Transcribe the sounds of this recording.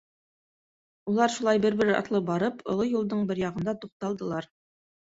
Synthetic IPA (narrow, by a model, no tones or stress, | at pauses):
ulˠɑɾʃulˠɑjbɘɾbɘ̆ɾɘɑ̰t̪lˠɤbɑɾɤpʰŏ̰lˠojulˠd̪ɤɴbɘɾjɑʁɤ̆nd̪ɑt̪uq̚t̪ɑlˠd̪ɤ̆lˠɑɾ